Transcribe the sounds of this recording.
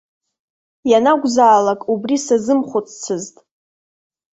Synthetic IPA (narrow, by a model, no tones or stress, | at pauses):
janaɡʷzaːlakʼubrisazɨmχʷʊt͡sʰt͡sʰɨztʼ